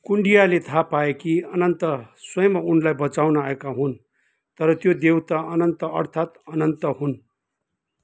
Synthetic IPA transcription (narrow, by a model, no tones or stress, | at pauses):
kuɳɖijalet̪ʰapaekiʌnʌnt̪ʌswʌjmaunlajbʌt͡sawnaaekaɦun | t̪ʌɾʌt̪jod̪ewt̪aʌnʌnt̪ʌʌ̰rt̪ʰat̪ʌnʌnt̪ʌɦun